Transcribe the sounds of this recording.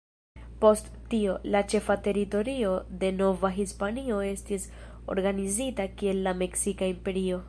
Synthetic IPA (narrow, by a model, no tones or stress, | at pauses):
po̞sttio̞lat͡ʃe̞fate̞ɾito̞ɾio̞de̞no̞vaɦispanio̞e̞stis | o̞̰ɾɡanizitakie̞lːame̞ksikaimpe̞ɾio̞